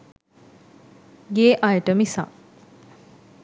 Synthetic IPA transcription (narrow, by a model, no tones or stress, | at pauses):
ɡeːʔajʈəmisã̰ŋ